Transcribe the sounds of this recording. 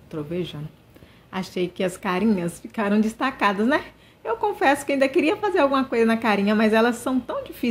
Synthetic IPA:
t̪ɾoveʒɐ̃n | aʃejkɪɐskaɾĩɲɐsfikaɾɐ̃w̃d͡ʒɪst̪akad̪ɐsnɛ | ewkõfɛsʊ̥kɪaĩd̪ɐkɪɾiɐfazeɾawɡũmɐkojzɐnɐkaɾĩɲɐmɐzɛlɐsːɐ̃w̃t̪ɐ̃w̃d͡ʒifi

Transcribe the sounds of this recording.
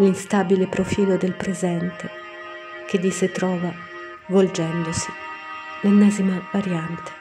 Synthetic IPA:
linst̪abilepɾofiːlod̪elpɾezɛnt̪e | k̟ed̪ːiset̪ɾɔːva | vold͡ʒɛnd̪osi̥ | lenːɛːzimavaɾjant̪e̥

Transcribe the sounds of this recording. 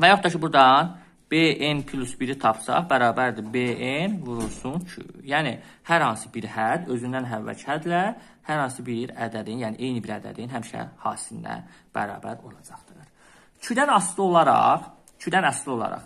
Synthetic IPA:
væjɑχt̪ːɑcʰibuɾd̪ɑn | b̥eʔenpʰlʲˠusbiɾit̪ʰɑpʰsɑ̰χbæɾɑːbæɾd̪ibeenvuɾuɾsunt͡ʃʰy̰jæːni | hæɾhɑnsɯbiɾhæd̪ø̞zynd̪ænɦævːæ̰t͡ʃʰhæd̪læ | hæɾhɑnsɯbiɾæd̪æd̪injæːniʔejnibiɾæd̪æ̰d̪inɦæmiʃæ̰hɑ̥ːsinːæ̰ | b̥æ̰ɾɑ̰ːbæ̰ɾo̞lˠɑd͡ʒɑχd̪ɯɾ | t͡ʃʰyd̪ænɑslˠɯo̞lˠɑɾɑ̰χ | t͡ʃʰyd̪ænɑslˠɯo̞lˠɑ̰ɾɑ̰χ

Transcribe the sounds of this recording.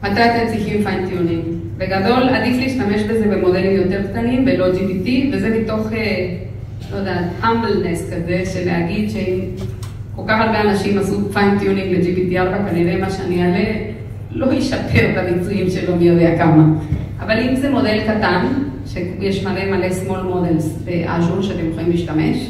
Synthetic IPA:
mat̪ajt̪ent͡siximfajnt̪juniŋ | beɡad̪o̞lad̪iflijiʃtameʃbezebemo̞d̪elimjo̞t̪eɾkt̪animbelod͡ʒipit̪ivezemit̪oχe | lod̪at̪hamblneskazeʃelḛa̰ɡid̪ʃeim | kokaχalbeanaʃimasufant̪joniŋled͡ʒipit̪iaɾbakaneɾemaʃaniale | lojiʃapʰeɾt̪abikt͡suimʃelomjod̪eakama | avalimzemod̪elkat̪anʃejeʃmalemalesmolmod̪elsbeʔa̰ʒonʃat̪imχimiʃt̪amḛʃ

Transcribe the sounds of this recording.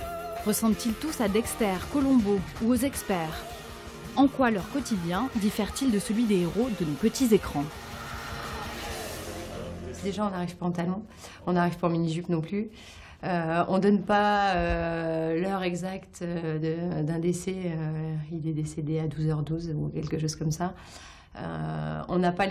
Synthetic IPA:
ʁəsɑ̃bt̪ilt̪usad̪ɛkstɛʁkɔlɔ̃bouozɛkspɛːʁ | ɑ̃kwalœʁkɔt̪id̪jɛ̃d̪ifɛʁt̪ild̪əsəlɥid̪eːʁod̪ənopət̪izekχɑ̃ | d̪eʒaɔ̃naʁiv̥paɑ̃t̪alɑ̃ | ɔ̃naʁiv̥paɑ̃miniʒypnɔ̃ply | øɔ̃d̪ɔnpaø | lœʁɛɡzakt̪ød̪əd̪ɛ̃d̪esɛøilɛd̪esed̪ead̪uzœʁd̪uzukʲɛlkəʃoz̥kɔmsa | ø̰ɔ̰̃napa

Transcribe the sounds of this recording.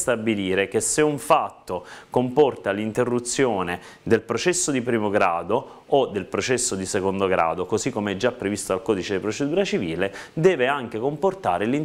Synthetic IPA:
st̪abiliːɾek̟esːeuɱfat̪ːokompɔrt̪alint̪erːut̪sːjoːne | d̪elpɾot͡ʃɛsːod̪ipɾiːmoɡɾaːd̪oː | d̪ːelpɾot͡ʃɛsːod̪isekond̪oɡɾa̰ːd̪okozikːomeɛd͡ʒːapːɾevist̪oalkɔːd̪it͡ʃed̪ipɾot͡ʃed̪uːɾat͡ʃiviːled̪ɛːveaŋk̟ekomport̪a̰ːɾelin

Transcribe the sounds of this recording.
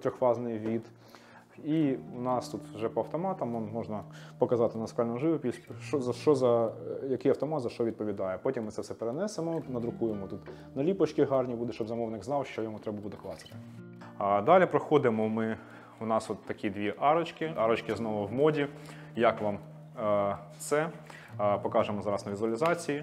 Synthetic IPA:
t̪ɾʲɔxʋɑznɪjʋʲid̪ | iunɑst̪ut̪wʒɛpɔɐwt̪ɔmɑt̪ɐmɔnmɔʒnɐpɔkɐzɑt̪ɪnɐskɑlʲnɔʒɪʋʊpʲisʃɔzɐʃt͡ʃɔzɐjɐkɪjɐwt̪ɔmɑt̪zɐʃt͡ʃɔʋʲid̪̚pɔʋʲid̪ɑjɛpɔtʲimːɪt̪sɛfsɛpeɾenɛsemɔnɐd̪ɾʊkujemɔt̪ut̪ | nɐlʲipɔt͡ʃkʲiɦɑrnʲibud̪ɛʃt͡ʃɔbzɐmɔʋnɪɡznɑwʃt͡ʃɔjɔmut̪ɾɛbɐbud̪ɛklˠɑsɪ̥t̪ɪ̥ | d̪ɑlʲipɾɔxɔd̪ɪmɔmɪ | ʊnɑsɔt̪ːɐkʲid̪ʲʋʲiʔɑɾɔt͡ʃkɪɑɾɔt͡ʃkɪznɔʋʊwmɔdʲi | jɐkʋɑm | t̪sɛ | pɔkɑʒemɔzɑɾɐsnɐʋʲizʊɐlʲɪzɑt͡sʲiji

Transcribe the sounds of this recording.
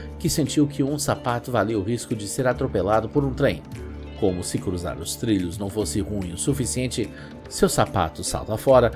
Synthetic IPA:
kɪsẽnt͡ʃiwkʰɪũsapat̪ʊvaliwʊɦiskʊd͡ʒɪseɾat̪ɾopelad̪ʊpoɾũt̪ɾẽj̃ | kõmʊsɪkɾuza̰ɾʊst̪ɾiʎʊznɐ̃w̃fosɪhũj̃ʊsufisiẽnt͡ʃɪ | sewsapa̰t̪ʊsa̰lt̪afɔɾɐ

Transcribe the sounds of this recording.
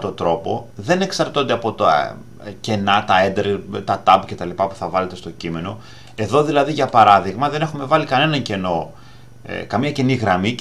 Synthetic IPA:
t̪o̞t̪ɾo̞po̞̰ðe̞ne̞ksɐɾt̪o̞nd̪e̞ɐpo̞t̪ɐ̰ | ce̞nɐt̪ɐend̪eɾt̪ɐt̪ɐbce̞t̪ɐlipɐpu̥θɐvɐle̞t̪e̞st̪o̞cime̞no̞ | e̞ðo̞ðilɐðiʝɐpɐɾɐðiɣmɐðe̞ne̞xume̞vɐlikɐne̞nɐɲce̞no̞̰ | kɐmɲɐceniɣɾɐmi

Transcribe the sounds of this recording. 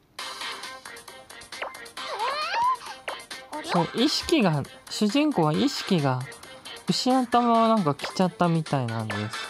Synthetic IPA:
soʔiɕi̥kʲiɡaɕɨʑĩŋko̞βaiɕi̥kʲiɡa | ɯ̟ɕinat̪amaβanãŋkakʲi̥t͡ɕat̪ːamʲit̪ainãnd̪e̞sɨ̥

